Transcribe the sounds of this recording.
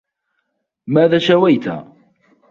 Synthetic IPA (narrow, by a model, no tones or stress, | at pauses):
mæðæʃæwæjt̪æ̰